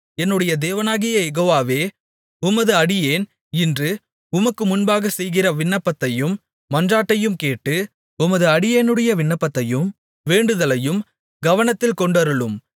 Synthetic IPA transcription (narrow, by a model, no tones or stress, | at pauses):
ɛnːɯɽɐjɐd̪eːʋɐnaːɣɪjɐjɛɣoːʋaːʋeː | ʊmɐðɯɐɽɪjeːn | ɪndrɯ | ʊmɐkːɯmʊnbaːɣɐsɛjɣɪrɐʋɪɳːɐpːɐt̪ːɐjɯmː | ɐndraːʈːɐjɯmkeːʈːɯ | ʊmɐðɯɐɽɪjeːnɯɽɐjɐʋɪɳːɐpːɐt̪ːɐjɯm | ʋeːɳɖɯðɐlɐjɯm | ɡɐʋɐnɐt̪ːɪlkɔɳɖɐɾɯɭɯm